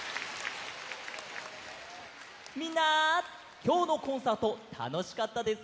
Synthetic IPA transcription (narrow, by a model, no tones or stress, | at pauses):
mʲĩnːa | kʲo̞ːno̞kõ̞ɰ̃saːt̪o̞t̪ʰa̰no̞ɕi̥kat̪ːad̪e̞sɨ̥